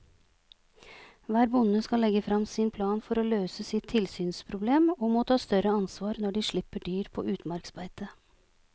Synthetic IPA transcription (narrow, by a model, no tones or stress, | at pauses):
ʋæːɾbʊnəskɑlɛɡəfɾɑmsɪnpʰlɑːnfɔɾoːløːsəsɪt̪ʰːɪlsyːnspʰɾʊbleːmoːmoːt̪ʰɑːst̪œɾəɑnsʋɑːɾnɔɖiːʂɭɪpəɖyːɾpʰo̰ːʔʉːt̪mɑɾksbæɪt̪ə